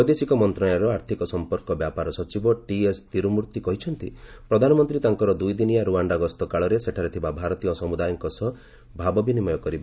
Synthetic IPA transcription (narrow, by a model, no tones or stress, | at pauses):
ɔjd̪esikɔmɔnt̪ɾɔajaɾɔaɾt̪ʰikɔsɔmpɔɾkɔbjapaɾɔsɔt͡ʃibɔʈiest̪iɾumuɾt̪ikɔɦit͡ʃʰɔnt̪ḭpɾɔd̪ʱanɔmɔnt̪ɾit̪aŋkɔɾɔd̪ujd̪inijaɾuaɳɖaɡɔst̪ɔkaɭɔɾeseʈʰaɾet̪ʰibabʱaɾɔt̪iɔsɔmud̪ajɔŋkɔsɔ | bʱabɔbʱinimɔjɔkɔɾiba